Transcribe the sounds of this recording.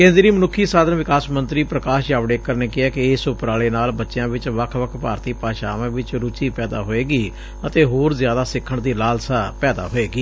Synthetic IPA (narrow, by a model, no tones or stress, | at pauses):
kẽːnd̪ɾiːmənʊkʰːiːsaːd̪ənʋɪkaːsmənt̪ɾiːpɾəkaːʃjaːʋɽeːkəɾneːkɪɛːkɪɪːsʊpɾaːleːnaːlbətːʃɪjãːʋɪt͡ʃʋəkʰʋəkʰpaːɾt̪iːpaːʃa̰ːʋãːʋɪt͡ʃɾʊt͡ʃiːpɛːd̪a̰ːɦoːeːɡiː | ət̪eːɦoːɾzjaːd̪aːsɪkʰːəɳd̪iːlaːlsaːpɛːd̪a̰ːɦoːeːɡiː